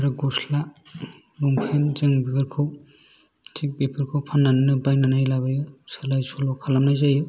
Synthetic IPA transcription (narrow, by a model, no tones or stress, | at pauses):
aɾaɡɔsla | lumpʰenzɯŋbipʰeɾkʰɯw | tʰik̚bipʰɯɾkʰɯwpʰanːanajnɯbajnanajlaβajɯsalajsɔlɔwkʰalamnajzajɯ